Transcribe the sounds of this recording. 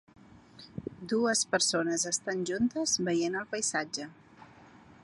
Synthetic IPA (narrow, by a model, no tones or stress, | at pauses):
d̪uəspəɾsonəzəst̪anʲʒunt̪əzβəjenəlˠpəjzad͡ʒə